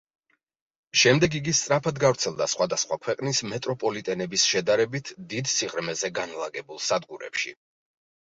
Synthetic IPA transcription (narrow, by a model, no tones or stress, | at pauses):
ʃɛmd̪ɛɡiɡist̪sʼɾapʰad̪ɡavɾt̪sʰɛlˠd̪asχwad̪asχwakʰwɛqʼnismɛt̪ʼɾɔpʼɔlit̪ʼɛnɛbisʃɛd̪aɾɛbit̪ʰd̪id̪siʁɾmɛzɛɡanlˠaɡɛbulˠsad̪ɡuɾɛ̰pʃḭ